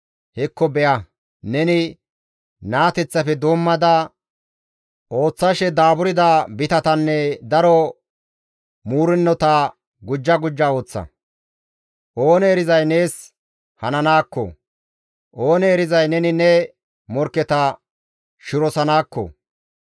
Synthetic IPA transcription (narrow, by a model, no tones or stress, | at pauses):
hɛkːɔbɛʔɐ | nɛnɪ | naːt̪ɛt͡sːɐfɛd̪oːmːɐd̪ɐ | o̞ːt͡sːɐʃɛd̪aːbʊɾɪd̪abɪt̪ɐt̪ɐnːɛd̪ɐɾɔ | muːɾɪnːɔt̪a | ɡʊd͡ʒːɐɡʊd͡ʒːɐo̞ːt͡sːɐ̰ | ʔo̞ːnɛːɾɪzɐjne̞ːs | hɐnɐnaːkːɔ̰ | ʔo̞ːnɛːɾɪzɐjnɛnɪnɛ | mɔɾkːɛt̪ɐ | ʃʊɾɔsɐnaːkːɔ̰